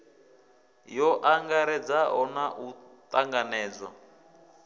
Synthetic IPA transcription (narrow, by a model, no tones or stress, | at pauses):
jɔʔaŋɡaɾɛd͡zaɦɔnaʔu | t̪ʼaŋɡanɛːd͡zwa̰